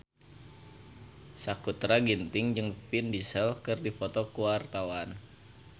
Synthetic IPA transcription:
sakut̪ɾaɡint̪ɪŋd͡ʒɨŋpindisɛlkɨrdifɔt̪ɔkuwart̪awan

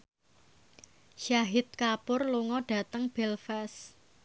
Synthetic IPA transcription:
ʃaɦɪt̪̚kapʊrluŋɔɖ̥ä̤t̪əŋb̥ɛlfɛs

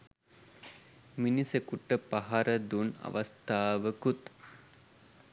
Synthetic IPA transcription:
minisekuʈəpaɦaɾəd̪una̰ʋɐst̪aːʋəkut̪

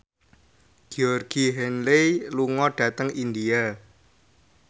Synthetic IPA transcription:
ɡ̥iɔrɡ̥iɦɛnleluŋɔɖ̥ä̤t̪əŋind̪ia

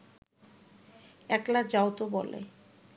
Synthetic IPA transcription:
ɛklad͡ʑaot̪obɔlḛ

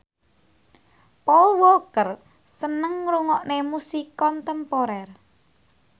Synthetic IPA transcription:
pɔwokər | sənəŋɾuŋɔʔnemusikɔnt̪ɛmpoɾɛr

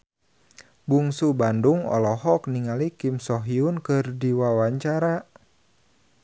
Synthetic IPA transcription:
buŋsubanduŋɔ̰lɔɦɔk̚niŋalikimsɔɦiunkɨrdiwawaɲt͡ʃaɾa

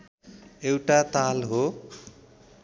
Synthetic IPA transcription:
ewʈat̪alɦo

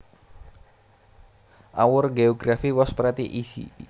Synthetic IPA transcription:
ʔawʊrɡeɔɡɾafiwɔspɾɛt̪iʔisḭ

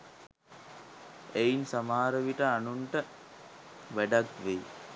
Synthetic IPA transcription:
einsamaːɾəʋiʈəanuɳʈə | ʋæɖakʋej

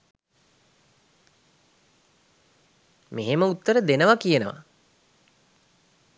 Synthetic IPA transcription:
meɦeməut̪ːəɾəd̪enəʋakijənəʋa̰

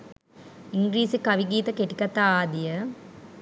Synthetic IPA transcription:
iŋɡɾiːsikɐʋiɡiːt̪əkeʈikat̪aːaːd̪ijə

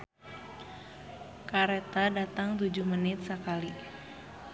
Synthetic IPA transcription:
kaɾɛt̪adat̪aŋt̪ud͡ʒuhmənɪt̪̚səkali

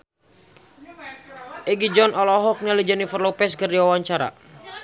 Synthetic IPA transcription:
ʔɛɡid͡ʒɔnɔlɔɦɔk̚nalid͡ʒanifərlɔpɛskərdiwawaɲt͡ʃaɾa̰

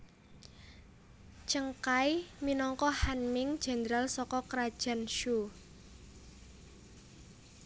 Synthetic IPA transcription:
t͡ʃəŋkajminɔŋkɔhanmɪŋd̥d͡ʒ̥a̤nəɾalsɔkɔkɾad̥ʒ̥a̤nʃu

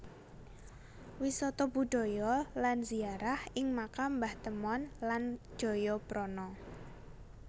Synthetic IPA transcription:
wisɔt̪ɔb̥uɖ̥ɔ̤jɔlanziaɾahʔɪŋmakambaht̪əmɔnlan̥ʒ̥ɔ̤jɔpɾɔnɔ

